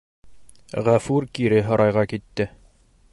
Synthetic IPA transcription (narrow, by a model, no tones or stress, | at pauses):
ʁæfʉɾkiɾɘɦɤ̆ɾʔɑjʁɑkit̪ːɘ